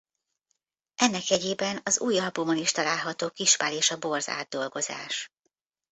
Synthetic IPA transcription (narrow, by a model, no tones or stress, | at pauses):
ʔɛnːɛkɛɟeːbɛnɒzuːjɒbumoniʃt̪ɒlaːlɦɒt̪oːkiʃpaːleːʃɒbo̞rza̰ːd̪̚d̪o̞lɡo̞za̰ːʃ